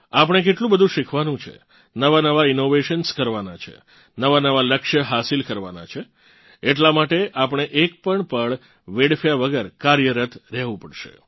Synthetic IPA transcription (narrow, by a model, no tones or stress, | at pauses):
apəɳ̃ek̬eʈlũbəd̪ʱũʃɪkʰʋanũt͡ʃʰḛ | nəʋanəʋaɪnoʋeʃənskəɾʋanat͡ʃʰḛ | nəʋanəʋaləkʃəɦasilkəɾʋa̰na̰t͡ʃʰe | eʈlamaʈeʔap̬əɳ̃eʔek̚pəɳpəɳ | ʋeɽfjaʋəɡəɾkaɾjəɾət̪ʰɾɛɦʋũpəɽʃḛ